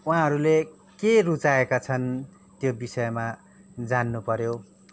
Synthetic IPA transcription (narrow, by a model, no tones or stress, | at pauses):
wɦãɦʌɾule | kerut͡saekat͡sʰʌn | t̪jobisʌjma | d͡zanːupʌɾjo